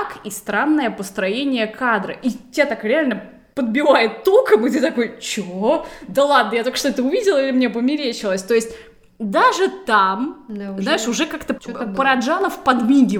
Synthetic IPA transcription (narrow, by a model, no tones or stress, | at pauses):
kist̪ɾanːəjəpəst̪ɾɐjenʲɪjəkʰad̪ɾə̰ʔitʲat̪akɾʲɪalʲnə | pəd̪̚bʲɪvajɪt̪ːolˠkəmɨt̪ɨt̪ɐkojt͡ɕod̪əlˠad̪nəjat̪okə̥ʂt̪oɛt̪əʊvʲidʲɪlˠəilʲɪmnʲep̬əmʲɪɾʲet͡ɕɪlˠəsʲt̪o̞ɪsʲtʲ | d̪aʐɨt̪amznaɪʂʊʐɛkakt̪əpəɾɐʐanəfpɐd̪mʲiɡʲɪ